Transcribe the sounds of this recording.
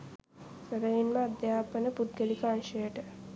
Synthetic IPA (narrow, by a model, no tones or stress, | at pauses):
səɾəʋinməad̪jaːpənəpud̪̚ɡelikəanʃəjəʈə